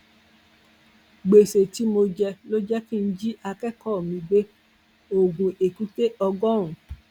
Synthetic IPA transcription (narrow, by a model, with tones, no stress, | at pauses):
ɡ͡be˨se˨ti˨˦mo˧d͡ʒɛ˧lo˦d͡ʒɛ˦kĩ˦˨n̩˦d͡ʒi˦ʔa˧kɛ˦˨kɔ˦˨mĩ˧ɡ͡be˦ | o˨ɡũ˨ʔe˨ku˦te˦ʔɔ˧ɡɔ˦ɾ̃ũ˨